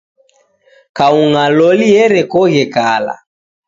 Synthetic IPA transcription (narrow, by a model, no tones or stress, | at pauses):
kauŋalɔliɛɾɛkɔɣɛkala̰